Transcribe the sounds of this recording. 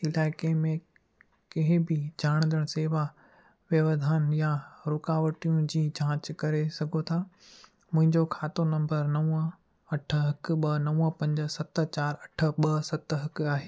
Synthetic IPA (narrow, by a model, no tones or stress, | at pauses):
ɪlaːɪkemẽ | kɐɦɪ̃bɪd͡ʑʱaːɽ̃nd̪əɽ̃seːʋa | ʋjɐʋd̪ʱaːnjaɾʊkaːʋəʈijũd͡ʑiːd͡ʑʱãːt͡ɕkɐɾesɐɡʱot̪ʰaː | mʊ̃ɦɪ̃ɲd͡ʑokʰaːt̪onɐ̃mbəɾnɐʋə | ɐʈ̆ʰɦɐkɓɐnɐʋə̃pɐ̃ɲd͡ʑə̆sɐt̪t͡ɕaːɾɐʈʰə̆ɓɐsɐt̪ɦɐkaːɦeː